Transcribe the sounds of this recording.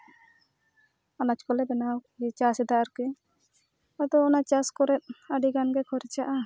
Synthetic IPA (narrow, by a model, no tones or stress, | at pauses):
anat͡ʃkɔlɛbɛnaɡit͡ʃasɛd̪aʔaɾkɛ | ad̪ɔːnat͡ʃaskɔɾɛt̪̚ˀaɖiɡanɡɛkʰɔɾɛt͡ʃaʔa